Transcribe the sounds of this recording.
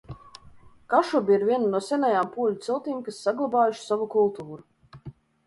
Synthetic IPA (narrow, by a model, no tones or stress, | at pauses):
kaʃubʲiɾvʲiɛnunuɔsʲɛnajaːmpuɔlʲut̪silˠt̪iːmkasːaɡlˠabaːjuʃsavukulˠt̪uːɾu